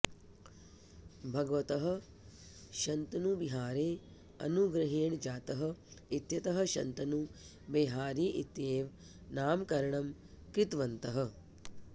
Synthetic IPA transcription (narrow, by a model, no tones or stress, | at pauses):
bʱɐɡɐʋɐt̪ɐɦɐ̆ | ʃɐnt̪ɐnubiɦaːɾeː | ɐ̰nuɡɾɐɦeːɳd͡ʒaːt̪ɐɦɐ̆it̪jɐt̪ɐɦɐ̆ʃɐ̰nt̪ɐnu | beːɦaːɾiːʔit̪jeːʋ | naːmkɐɾɐɳɐm | kɾit̪ʋɐnt̪ɐɦɐ̆